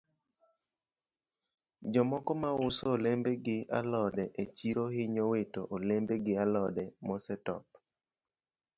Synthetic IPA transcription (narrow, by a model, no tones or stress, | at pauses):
d͡ʒɔmɔkɔmaʊsoolembeɡɪa̰lɔdɛʔet͡ʃiɾohɪɲowetoʔolembeɡɪalɔdɛmɔsɛtɔ̰p̚